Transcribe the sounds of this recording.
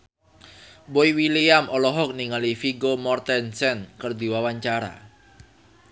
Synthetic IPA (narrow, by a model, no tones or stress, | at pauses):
boiwiliamʔɔlɔɦɔk̚niŋalifiɡomɔrt̪ɛnsɛnkərd̪i̤wawaɲt͡ʃaɾa̰